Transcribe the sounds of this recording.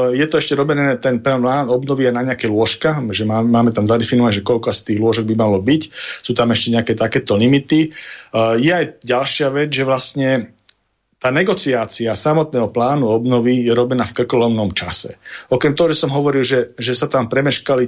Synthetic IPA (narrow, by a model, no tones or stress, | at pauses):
jɛt̪ɔɛʃcɛɾɔbɛnɛt̪ɛnpɛlaːnɔbnɔʋiajnaɲɛakɛjlʊɔʃkaʒɛmaːmaːmɛt̪amzad̪ɛfinɔʋaɲʒɛkɔʎkɔast̪iːɣlʊɔʒɔɡ̚bimalɔbicsuːt̪amɛʃcɛɲɛakɛːt̪akɛːt̪ɔlimit̪i | jɛajɟalʃɪaʋɛd͡zʒɛʋlasɲɛ | t̪aːnɛɡɔt͡siaːt͡siasamɔt̪nɛːɦɔplaːnuɔbnɔʋijɛɾɔbɛnaːfkɾr̩kɔlɔmnɔmt͡ʃa̰sɛ̰ɔkɾɛmt̪ɔɦɔʒɛsɔmɦɔʋɔɾilʒɛʒɛsat̪ampɾɛmɛʃkali